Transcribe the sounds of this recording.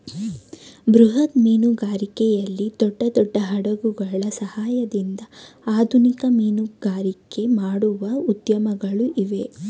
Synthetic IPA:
bɾuɦɐt̪miːnuɡaːɾikɛjɐlːid̪ɔɖːɐd̪ɔɖːɐɦɐɽɐɡuɡɐɭɐsɐhaːjɐd̪ind̪ɐaːd̪ʱunikɐmiːnuɡaːɾike̞maːɽuʋɐud̪jɐmɐɡɐɭuʔiʋe̞

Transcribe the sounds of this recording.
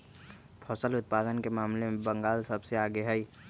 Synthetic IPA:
pʰɔːsəlʊt̪̚paːd̪ənkemaːmlemẽbə̃ŋɡaːlsəbseaːɡeɦɛi

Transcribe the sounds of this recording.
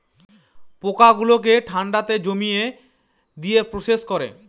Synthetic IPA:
pokaɡulok̬eʈʰaɳɖat̪ed͡ʑomije | d̪ijepɾoʃeʃkoɾḛ

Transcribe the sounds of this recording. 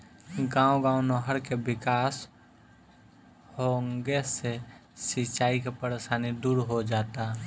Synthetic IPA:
ɡãːõɡãːwnoɦəɾkebɪkaːs | hoːŋɡesesɪt͡ʃaːikepəɾeʃaːnid̪uːɾɦod͡ʒaːt̪a

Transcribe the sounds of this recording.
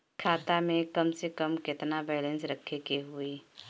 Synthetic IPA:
kʰaːt̪amẽkɐmsekəmkɪt̪nabɛːlẽnsɾəkʰːekeɦui

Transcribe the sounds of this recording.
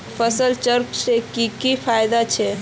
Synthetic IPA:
pʰəsəlt͡ʃəɾpsekikipʰajd̪at͡ʃʰɛ

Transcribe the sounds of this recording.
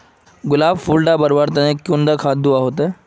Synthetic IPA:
ɡulabfulɖabəɾʋaɾt̪anekːund̪əkʰat̪̚d̪uʋaɦot̪e

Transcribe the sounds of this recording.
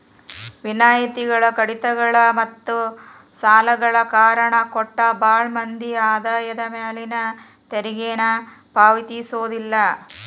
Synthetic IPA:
ʋinaːjit̪iɡɐɭɐkɐɽit̪ɐɡɐɭɐmɐt̪ːu | saːlɐɡɐɭɐkaːɾɐɳɐkɔʈːɐbaːɭmɐnd̪iaːd̪aːjɐd̪ɐmeːlinɐ | t̪eɾiɡeːnɐ | paːʋit̪isoːd̪ilːɐ

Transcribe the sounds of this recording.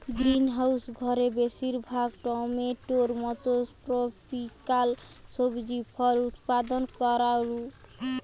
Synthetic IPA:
ɡɾinɦawsɡʱɔɾebesiɾbʱaɡʈɔmeʈoɾmɔt̪oʈɾopʰikalsobd͡ʒipʰɔlut̪pad̪ɔnkɔɾaɾu

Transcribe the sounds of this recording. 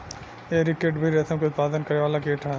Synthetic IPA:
eːɾɪkeʈbʱiɾɛsə̃mkeʊt̪̚paːd̪ənkɐɾeʋaːlakeːʈʰɦɛ

